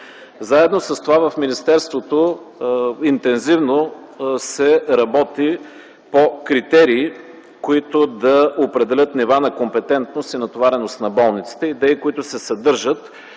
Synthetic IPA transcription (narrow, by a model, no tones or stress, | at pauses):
zaɛd̪nosɐst̪ovavɐfminist̪ɛɾst̪vot̪o | int̪ɛnzivno | sɛɾɐbɔt̪i | pokɾit̪ɛɾiː | koit̪od̪ɐopɾɛd̪ɛlʲɤt̪nivanɐkompɛt̪ɛnt̪nost̪inɐt̪ovaɾɛnost̪nɐbɔlˠnit̪si̥t̪ɛid̪ɛikoit̪ʊsɛsɐd̪ɤɾʒət̪